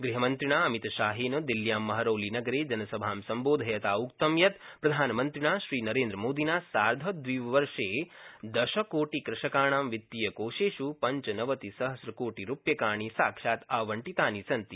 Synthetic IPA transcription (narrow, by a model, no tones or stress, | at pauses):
ɡɾiɦɐmɐnt̪ɾiɳ̃aːɐmit̪ʃaːɦiːnɐd̪iljaːmːɐɦɐɾoːlinɐɡɐɾeːd͡ʒɐnɐsɐbʱaːmsɐmboːd̪ʱɐjɐt̪aːukt̪ɐmjɐt̪pɾɐd̪ʱaːnmɐnt̪ɾiɳ̃aːʃɾiːnɐɾẽːnd̪ɾəmoːd̪inaːsaːɾd̪ʱɐd̪ʋiːʋɐʋɐɾʂeːd̪ɐʃɐkoːʈikɾɪʃɐkaːɳ̃aːmʋit̪ːijɐkoːʃeːʃupɐɲt͡ʃnɐʋɐt̪isɐɦɐsɾɐkoːʈiɾupjɐkaːɳ̃isaːkʂaːt̪aːʋɐɳʈit̪aːnisɐnt̪i